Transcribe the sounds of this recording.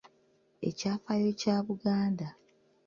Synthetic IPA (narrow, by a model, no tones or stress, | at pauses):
e̞̰caːfajoːcaːβuɡaːnda